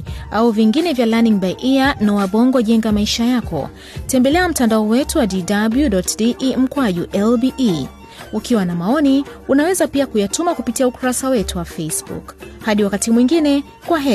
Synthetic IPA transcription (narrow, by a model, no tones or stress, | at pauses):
auviŋɡinɛvjalaniŋbajʔianɔwaɓɔŋɡɔʄɛŋɡamaiʃajakɔ̰ | tɛmbɛlɛam̩tandaɔwɛtuwadidabludɔtdiʔm̩kwaʄuʔɛlbiʔi | ukiwanamaɔniunawɛzapiakujatumakupitiaukuɾasawɛtuwafesbṵkhaɗiwakatimwiŋɡinɛ | kwaɦɛ